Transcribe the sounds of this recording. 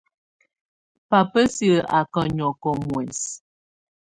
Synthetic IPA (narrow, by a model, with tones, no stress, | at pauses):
pa˨pə˦si˦˨a˨kə˨ɲɔ˨kɔ˨mwɛ˨s